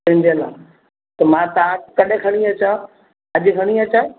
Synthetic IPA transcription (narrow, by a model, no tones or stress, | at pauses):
ɪ̃ɲd͡ʑelã | t̪ɐmãt̪aːkɐɗʱekʰɐɽ̃iɐt͡ɕã | ɐʄkʰɐɽ̃iɐt͡ɕã